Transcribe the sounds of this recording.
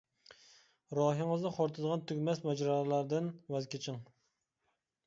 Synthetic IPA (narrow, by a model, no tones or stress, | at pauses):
ɾɑɦɨŋɨznɨqʰoɾt̪ʰɨd̪əʁɑnt̪ʰyɡʲmɛsmɛd͡ʒɾɑlæɾd̪ɪnwɛzkʲʰet͡ʃʰɪŋ